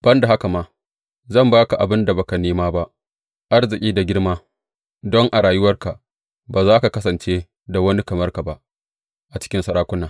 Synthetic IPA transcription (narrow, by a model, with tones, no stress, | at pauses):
b̥ɐ˦nda˨ɦa˦ka˨maː˦ | zɐ˦˨mbaː˦ka˨ʔa˨bɪ˦nda˨ba˨ka˨neː˦maː˦ba˦ʔ | ʔa˦rzɪ˨kʲʼiː˦da˨ɡʲɪ˦ɽmaː˦ | dɔ˦ŋʔa˨ɽaː˨jʊ˦wɐ˦rka˨ | baː˨zaː˦ka˨kɐ˦sɐ˨nt͡ʃeː˦ | da˨wɐ˦ni˦kɐ˨mɐ˦rka˨ba˦ʔ | ʔa˨t͡ʃɪ̥˦kʲɪ˦nsɐ˨ɾaː˦kʷʊ˦naː˨